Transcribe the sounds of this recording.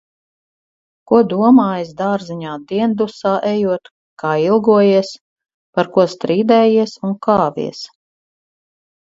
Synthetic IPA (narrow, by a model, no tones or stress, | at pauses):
kuɔd̪uɔmaːjzd̪aːɾziɲaːd̪iɛnd̪usaːʔɛjuɔt̪ | kaːilˠɡuɔjiɛs | paɾkuɔst̪ɾiːd̪ɛːjiɛsunkɑːvḭɛs